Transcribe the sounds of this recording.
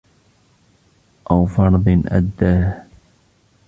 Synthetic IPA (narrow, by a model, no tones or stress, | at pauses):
ʔawfɑɾˤd̪ˤɨnʔa̰d̪ːaː